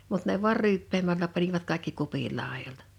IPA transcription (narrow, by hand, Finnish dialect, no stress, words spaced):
mut ne ʋuɑr ryːpːeːmælːæ pɑniʋɑt kɑe̝kːi kupil lɑˑejoltɑ̥